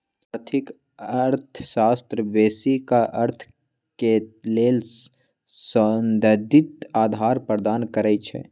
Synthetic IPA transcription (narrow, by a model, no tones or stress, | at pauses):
aːɾt̪ʰɪk | əɾt̪ʰʃaːst̪ɾəbeːsikaʔəɾt̪ʰ | keleːl | sənd̪əd̪ɪt̪aːd̪ʱaːɾpəɾd̪aːnkəɾɛt͡ʃʰɛ̰